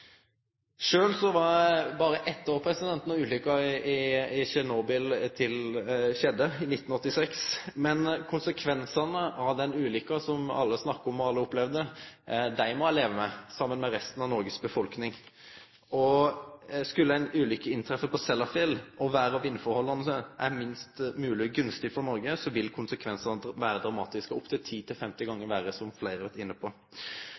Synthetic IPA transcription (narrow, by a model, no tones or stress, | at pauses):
ʂøːlsɔʋɑɾbɑːɾəʔɛt̪ːoːɾpʰɾɛsɪd̪ɛnt̪ənɔʉːlʏkːɑɪɪʃɛnoːbɪlt̪ʰɪlʃɛd̪ːəɪnɪt̪ːn̩ɔt̪ːɪsɛksmɛnkʰʊnsəkʰʋɛnsɑnəʔɑʋd̪ɛnʉːlʏkːɑsɔmɑ̰lːəsnɑkːəɔmɔɑlːəʊplɛʋd̪əd̪æɪmɔleːʋəmɛsɑmːənmɛɾɛst̪ənɑʋnɔɾɡəsbəfɔlknɪŋ | ɔ | skʉlːəæɪnʉːlʏkəɪnt̪ʰɾɛfəpɔsɛlːɑfɪlɔʋæːɾəɑʋɪnːəfɔɾhɔlːɑnəsəʔæɾmɪnst̪mʉːlɪɡʉnst̪ɪfɔɾnɔɾɡəsɔʋɪlkʰʊnsəkʰʋɛnsɑnəʋæːɾəd̪ʁɑmɑːt̪ɪskəʊpt̪ʰɪlt̪ʰiːt̪ʰɪlfɛmt̪ɪɡɑŋːəɾʋæːɾəsɔmflæɪɾəʋɛt̪ɪnːəpʰɔ